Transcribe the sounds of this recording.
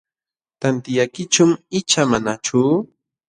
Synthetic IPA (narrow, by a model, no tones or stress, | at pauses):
t̪ant̪ɪjajkɪt͡ʃʊmɪt͡ʃamanat͡ʃʊ